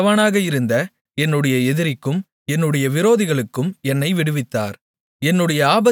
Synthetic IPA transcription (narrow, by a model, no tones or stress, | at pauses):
ʋaːnaːɣɐɪɾɯnd̪ɐ | ɛnːɯɽɐjɐɛðɪɾɪkːɯm | ɛnːɯɽɐjɐʋɪɾoːðɪɣɐɭɯkːɯmɛnːɐɪʋɪɽɯʋɪt̪ːa̰ːɾ | ɛnːɯɽɐjɐaːbɐ